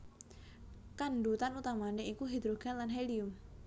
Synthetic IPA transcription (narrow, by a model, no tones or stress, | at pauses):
kanɖut̪anut̪amaneikuɦid̪ɾoɡ̥anlanɦelium